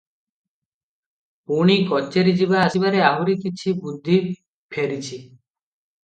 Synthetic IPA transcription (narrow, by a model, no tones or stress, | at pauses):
puɽ̃ikɔt͡ʃːeɾid͡ʒibaːsibaɾeaɦuɾikit͡ʃʰibud̪ʱːi | pʰeɾit͡ʃʰi